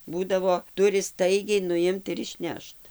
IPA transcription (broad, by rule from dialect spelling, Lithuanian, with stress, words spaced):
ˈbuːdɐʋoː ˈtʊrʲɪ ˈstɐɪɡʲɛɪ nʊˈɪmt ɪr ɪʃʲˈnʲɛʃt